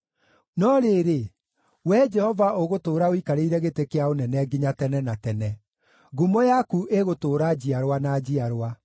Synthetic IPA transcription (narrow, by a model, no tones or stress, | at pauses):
nɔɾeɾe | wɛd͡ʒɛhɔvaʔoɣotoːɾaoikaɾeiɾɛɣetekeaonɛnɛɡiɲatɛnɛnatɛnɛ | ɣumɔjakuʔeɣotoːɾad͡ʑiaɾwanad͡ʑiaɾowa